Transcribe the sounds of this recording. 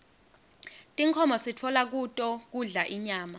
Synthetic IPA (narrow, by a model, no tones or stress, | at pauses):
tʼiŋkʰɔmɔsitʰɔlak̬utʼɔk̬uɮaʔiɲaːma